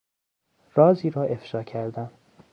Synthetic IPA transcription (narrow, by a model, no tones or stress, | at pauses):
rɒːziːɾɒːʔe̞fʃɒːcʰæɾd̪æm